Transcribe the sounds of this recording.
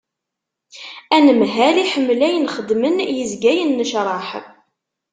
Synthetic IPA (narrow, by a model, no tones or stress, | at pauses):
ænəmɦæliħəmːlæjənχəd̪mənjəzɡæjənːəʃɾˤɑħ